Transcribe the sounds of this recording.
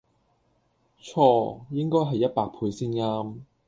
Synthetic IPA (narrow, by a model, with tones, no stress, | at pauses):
t͡ʃʰɔː˧˥jɪ˥ŋkɔː˥jɦɐ˨jːɐ˥t̚paː˧k̚pʰuː˨˧jsiː˥nŋaː˥m